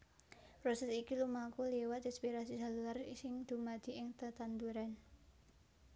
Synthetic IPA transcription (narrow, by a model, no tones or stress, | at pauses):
pɾɔsɛsikilumakuliwat̪ispiɾasid͡ʒa̤luarsɪŋd̪̥ṳmad̪̥i̤ɪŋt̪ət̪and̪uɾan